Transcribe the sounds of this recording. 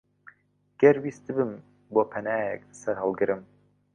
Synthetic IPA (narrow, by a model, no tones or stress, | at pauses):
ɡ̥ɛɾwiːst̪ɨbɨm | boːpʰɐnaːjɛ̰klɨsɛɾhɑlˠɡɨɾɨm